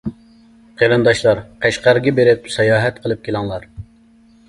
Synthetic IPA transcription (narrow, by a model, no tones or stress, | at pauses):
qʰeɾɨnd̪ɑʃlˠɑɾqʰæʃqæɾɡʲɛbeɾɪp̚sɑjɑːɦɛt̪̚qʰəlˠɨp̚kʲʰelˠɑŋlˠɑɾ